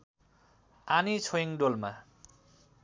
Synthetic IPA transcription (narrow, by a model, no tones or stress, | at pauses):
anit͡sʰojiŋɖolma